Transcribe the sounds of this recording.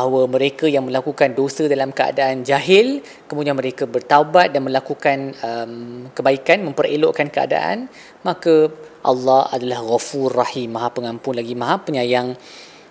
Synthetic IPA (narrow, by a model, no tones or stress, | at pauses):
bahwamə̃ɾekajaŋmə̃lakukandosədalamkəa̰daʔand͡ʒaɦɪl | kəmudianmə̃ɾekabərt̪aubat̪̚danmə̃lakukanəmkəbaikanmə̃mpəreloʔkankəa̰da̰ʔa̰n | mãkaʔa̰lːɑha̰dalahɣafurahimːãɦapəŋampʊnlaɡimãɦapəɲajaŋ